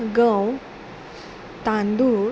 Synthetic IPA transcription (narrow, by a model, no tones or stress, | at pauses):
ɡə̃w | t̪ãnd̪u